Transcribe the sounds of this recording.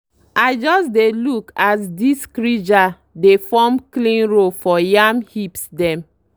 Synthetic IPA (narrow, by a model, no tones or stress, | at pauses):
aɪd͡ʒɔsdelukasdiskɾid͡ʒa | defɔmklĩnɹofɔjamhipsdɛ̃m